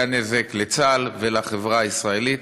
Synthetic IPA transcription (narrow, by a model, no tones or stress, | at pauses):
anezeklet͡salvelaχevʁaisʁae̞lit